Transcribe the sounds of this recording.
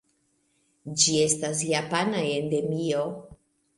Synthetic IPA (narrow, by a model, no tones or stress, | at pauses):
d͡ʒie̞stas̬japanaende̞mio